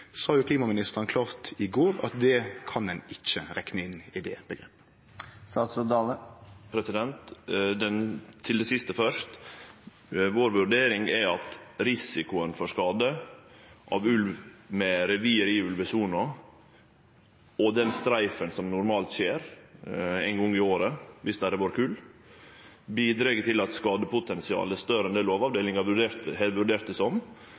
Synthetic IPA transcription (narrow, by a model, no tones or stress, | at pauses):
sɑːjʊkʰliːmɑmɪnɪst̪əɾənkʰlɑːʁt̪ɪɡoːɾɑ̰t̪̚d̪ɛkʰɑnɛnɪt͡ʃːəɾɛknəɪnɪd̪ɛːb̥əɡɾeːpːə̥ | st̪ɑsɔd̪ɑləpʰɾɛsɪd̪ɛnt̪d̪ɛnt̪ʰɪld̪ɛsɪst̪əfœʂt̪ | ʋoːɾʋʉɾɖeːɾɪŋɛɾɑt̪ɾɪsɪkʊənfɔʂkɑːd̪ə | ʔɑ̰ʋʉlʋmɛɾɛʋiːəɾɪːʉlʋəsuːnɑ | ɔd̪ɛnst̪ɾæɪfənsɔmnʊɾmɑːlt̪ʃeːɾ | æɪnɡɔŋːɪoːɾəʋɪsd̪æɾɛʋoːɾkʰʉːlː | biːd̪ɾeːɡət̪ʰɪlɑt̪skɑːd̪əpʊt̪ʰɛnsɪɑ̰ːlɛst̪œɾəɛnd̪eːloːʋɑʋd̪eːlɪŋɑʋʉɖeːɾt̪əhɛʋʉɖeːɾt̪əsɔm